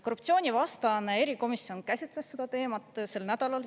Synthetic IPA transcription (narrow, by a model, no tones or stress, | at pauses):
ko̞rupt̪sio̞ːnʲivɑst̪ɑnee̞ɾiko̞misːio̞nkæsʲit̪ˑlesːe̞d̪ɑt̪e̞ːmɑt̪ˑse̞lnæd̪̥ɑlɑl